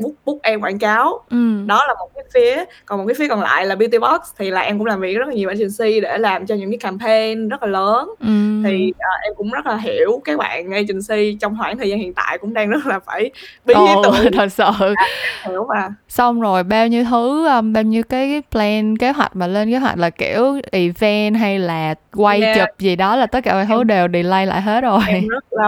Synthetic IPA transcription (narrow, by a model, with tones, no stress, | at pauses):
ɓʊ˦˥k͡p̚ɓʊ˦˥k͡p̚ʔɛ˧mkwa̰ː˧˨nkaː˨˦wʔɨ˨˩mɗɔ˨˦laː˨˩mo˨˩t̚kaː˨˦jfi˨˦əkɔ˨˩nmo˨˩kːfi˨˦kɔ˨˩nla̰ː˧˨jlaː˨˩ɓi˧t̪i˧ɓɔ˦˥t̚st̪ʰi˨˩laː˨˩ʔɛ˧mkʊ̰˧˥ŋ͡mlaː˨˩mvi˨˩ək̚z̚aː˨ɲi˨˩ɓa̰ː˧˩t͡ɕŋ̟si˧ɗe˧˩laː˨˩mt͡ɕɔ˧ɲɨ̰˧˥ŋkaː˨˦jka˧mpʰe˧nzə˦˥t̚laː˨˩ləː˨˦nʔɨ˩t̪ʰi˨˩ʔəː˨˩ʔɛ˧mkʊ̰˧˥ŋ͡mzə˦˥t̚laː˨˩ɦi˧˩˨əwkaː˨˦jɓa̰ː˧˨nŋə˧jt͡ɕï˨˩ŋ̟si˧t͡ɕɔ˧wŋ͡mhwaː˧˩ŋt̪ʰə˨˩zaː˧nhḭ˧˨ənt̪a̰ː˧˨jkʊ̰˧˥ŋ͡mɗaː˧ŋzə˦˥t̚laː˨˩faː˧˩jɓi˦o˨˦˩ɗo˨˩sə̰ː˧˩˨hi˧˩əwmaː˨˩sa˧wŋ͡mzo˨˩jɓaː˧wɲɨ˧t̪ʰɨ˨˦ʔəː˧mɓaː˧wɲɨ˧wkaː˨˦jːjplɛ˧nke˨˦ɦwa̰˨˩k̟̚maː˨˩le˧nke˨˦ɦwa̰˨˩k̟̚laː˨˩ki˧˩əwʔi˧˩vɛ˧nɦa˧jlaː˨˩kwa˧jt͡ɕɨ˨˩p̚zi˨˩ɗɔ˨˦laː˨˩t̪ə˦˥t̚kaː˧˩waː˧˩t̪ɨ˨˦ɗe˨˩wɗi˨˩la˧jla̰ː˧˨jɦe˦˥t̚zo˨˩jə˦˥laː˨˩